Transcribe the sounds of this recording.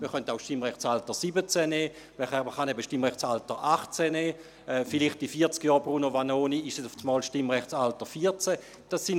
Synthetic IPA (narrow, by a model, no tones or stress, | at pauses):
məχœntaʊʃtimʁɛχt͡saltəsibət͡sɛnɛː | mɛɛəχanɛbəʃtimʁɛχt͡saltəʔaχt͡sɛnɛː | ɛfiliχtifiːɐt͡skjɔːɐbʁunovanoːniɪʃɛsʊft͡smɔːlʃtimʁɛχt͡ssaltəfiːɐt͡sɛ | d̥asːɪn